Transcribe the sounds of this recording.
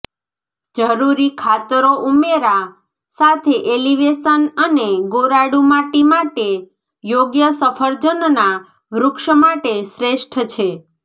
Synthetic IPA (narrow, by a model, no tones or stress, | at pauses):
d͡ʒəɾuɾikʰat̪ɾoʔumeɾa | sat̪ʰeʔeliʋesənəneɡoɾaɽumãʈimaʈe | joɡjəsəfʰəɾd͡ʒənna | ʋɾʊkʃəmaʈesɾeʃʈʰt͡ʃʰe